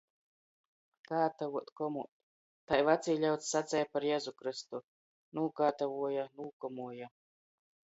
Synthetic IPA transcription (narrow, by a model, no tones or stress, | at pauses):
kaːt̪avuɔt̪kɔmu | t̪ajvat̪siːʎʲawt̪sːat̪sʲɛjapaɾjɛːzukɾɨst̪u | nuːkaːt̪avuɔjanuːkɔmuɔja